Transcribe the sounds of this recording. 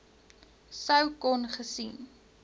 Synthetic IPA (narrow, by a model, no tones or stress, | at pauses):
səwkɔnχəsin